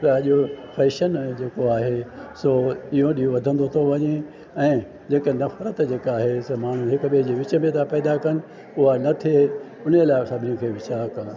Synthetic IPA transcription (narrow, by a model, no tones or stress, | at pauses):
t̪ɐɐʄofɛːʃənd͡ʑeːkoaːɦesoːiɦõɗiːɦõʋɐd̪ʱə̃nd̪ot̪ʰoʋɐɲe | ɛ̃ː | d͡ʑeːkenɐfɾət̪d͡ʑeːkaːɦesɐmaːɳ̤ũɦɪkʊɓiɦɪ̃d͡ʑeʋɪt͡ɕə̆mẽt̪ʰãpɛːd̪akɐnɪ̆ | ʊɦanɐt̪ʰie | ʊn̤elaːɪsɐbʱɪnikʰeːʋɪt͡ɕaːkɐnɪ̆